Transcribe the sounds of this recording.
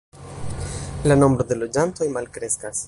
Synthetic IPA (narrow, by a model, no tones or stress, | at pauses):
lano̞mbɾo̞d̪e̞lo̞d͡ʒanto̞jmalkɾe̞skas